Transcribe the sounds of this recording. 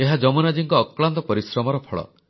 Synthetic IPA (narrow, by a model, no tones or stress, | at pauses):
eɦad͡ʒɔmunad͡ʒiŋkɔːkɭant̪ɔpɔɾisɾɔmɔɾɔpʰɔɭɔ̰